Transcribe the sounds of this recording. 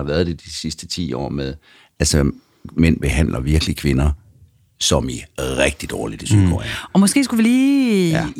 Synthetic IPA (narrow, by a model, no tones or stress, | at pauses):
ɑ̈ʋæːɐð̥ˠed̥isisd̥ət͡sʰḭːɒ̰ːmeðˠ | ælsɒ | men̰b̥e̝ɦæn̰lʔɐʋiɐɡ̥əlikʰʋe̝nɐ | sɒ̽miʁɛɡ̥̚d̥id̥ɒːlid̥əsykʰo̰æ̰ɒ̽mɒ̽sɡ̥e̝̰ːsɡ̥uʋiliː